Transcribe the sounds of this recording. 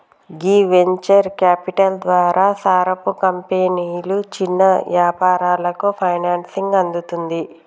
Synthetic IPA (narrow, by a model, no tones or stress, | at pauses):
ɡiːʋeɲt͡ʃɐɾkaːpiʈɐld̪ʋaːɾaːsaːɾɐpukɐmpeniːjlut͡ʃinːɐʋjaːpaːɾaːlɐkupʰɐjnaːnsiŋɡɐnd̪ut̪und̪i